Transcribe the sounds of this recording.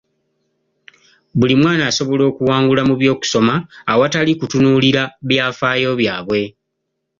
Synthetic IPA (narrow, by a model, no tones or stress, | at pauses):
βulimwaːnaːso̞βo̞lo̞ːkuwaːŋɡulamuβjo̞ːku̥so̞maːwatalikutunuːliɾaβjaːfaːjo̞βjaːβwe̞